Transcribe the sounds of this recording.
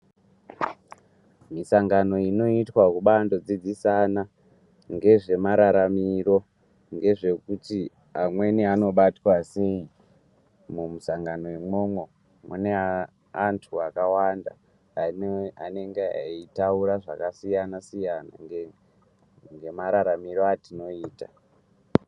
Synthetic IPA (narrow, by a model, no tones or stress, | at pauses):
misaŋɡano̞ino̞itwakuɓando̞d͡zid͡zisana | ŋɡe̞ʐe̞maɾaɾamiro̞ | ŋɡe̞ʐe̞kuti | amwe̞niano̞ɓatwase̞i | mumusaŋɡano̞imomwe | mune̞ | antʰuakawanda̰ | aneŋɡea̰itauɾaʐa̰kasijanasijana̰ŋ | ŋɡe̞maɾaɾamiro̞atino̞iːta